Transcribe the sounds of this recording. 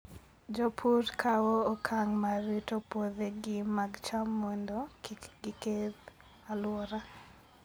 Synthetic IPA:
d͡ʒɔpʰuɾkʰawoːkʰaŋmaɾitopoðeɡɪmaɡt͡ʃamːondɔɡɪkeð | alwɔɾa

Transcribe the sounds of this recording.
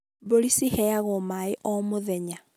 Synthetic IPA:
boɾisihɛaɣɔmaeʔɔmoðɛɲa

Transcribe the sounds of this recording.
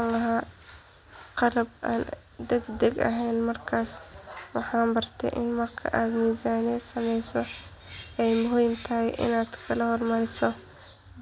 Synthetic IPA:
ŋɐɦaː | qɑlɐbʔa̰ːn | d̪ɛɡd̪ɛɡɐ̰ɦɛjnmɐrkʰaːswɑħɑːmbɐrt̪ʰɛ̰jʔɪ̰nmɐrkʰɐ̰ʔaːd̪miːsaːnɛd̪sɐmɛjsɔ | ɛjmʊɦiːmt̪ʰɐɦɛjʔɪ̰naːd̪̥kʰɐlɐhɔrmɐɾɪsɔ

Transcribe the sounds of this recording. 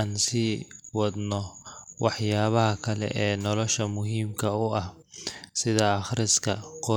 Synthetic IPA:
aːnsiːwɑd̪nɔwɑħjaːβɐɦɐkʰɐlɛ̰ʔɛːnɔlɔʃɐmʊɦiːmkʰɐʊɐh | sɪðɐɑχɾɪskʰɐqɔ

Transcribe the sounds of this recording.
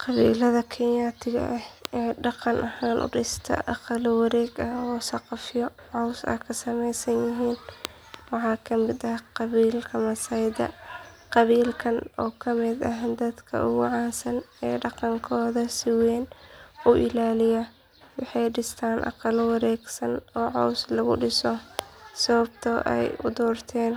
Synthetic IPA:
qɑβḭːlɐðɐkʰɛnjaːt̪ʰɪɡ̰ʔɐhɛːɖɑqɑnʔɐhaːnʔʊ̰ɖɪst̪ʰɐ̰ʔɑqɑlwɑɾɛːɡɐɔːsɑqɑfɪjɔʕɔwsɐ̰kʰɐsɐmɛjsɐnjɪɦiːn | wɑħɑːkʰɐmɪd̪ɐhqɑβiːlkʰɐmɐsɐjd̪ɐ̰ | qɑβiːlkʰɐnʔɔːkʰɐmɪd̪ɐɦd̪ɐd̪kʰɐ̰ʔʊɣʊʕɑːnsɐnɛːɖɑqɑŋkʰɔːðɐsɪwɛːnʊʔɪlaːlɪjɐ | wɑħɑjɖɪst̪ʰaːnʔɑ̰qɑlwɑɾɛːɡsɐnɔːʕɔwslɐɣʊ̰ɖɪsɔsɐβɐb̚t̪ʰɔʔɛ̰jʊ̰d̪ɔːrt̪ʰɛːn

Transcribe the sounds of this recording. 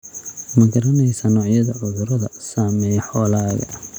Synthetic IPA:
mɐɡɐɾɐnɛjsɐnɔːʕjɐðɐʕʊðʊɾɐðɐsaːmɛjħɔːlaːɣɐ̰

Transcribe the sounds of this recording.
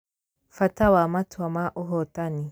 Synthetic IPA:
fatawamatwamaʔʊɦɔtani

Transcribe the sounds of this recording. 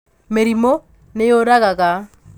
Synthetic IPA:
meɾimo | nejoɾaɣaɣa

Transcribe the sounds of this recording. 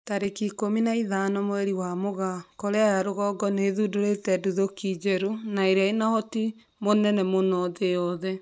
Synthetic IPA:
taɾekikominaiðanɔmoɛɾiwamoɣakɔɾeajaɾoɣɔɡɔneːðudoɾetɛduðokid͡ʒeɾunaeɾeainahɔti | monɛnɛmonɔðeɔðɛ

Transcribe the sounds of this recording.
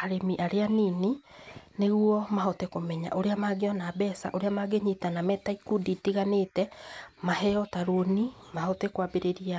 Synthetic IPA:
aɾemiʔaɾeaniːnineɣwɔmaɦɔtekomɛɲa̰ʔoɾeamaɡeɔnabɛsa̰ʔoɾeamaɡeɲitanamɛtaikuditiɣaneːtɛmaɦɛɔtaɾonimahɔtekwabeɾeɾia

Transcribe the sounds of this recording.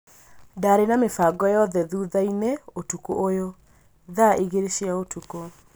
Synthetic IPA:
daɾenamefaɡɔjɔðɛðuːðaineotukoʔojo | ðaʔeɣeɾeʃiaotuko

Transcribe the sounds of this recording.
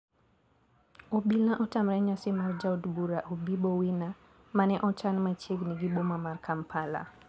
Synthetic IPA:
ɔɓilãʔɔtam̩ɾɛɲasimaɾd͡ʒawdbuɾahubiɓɔwina | manɛʔɔt͡ʃanmat͡ʃiɡniɡiɓɔmamaɾkʰampʰala̰

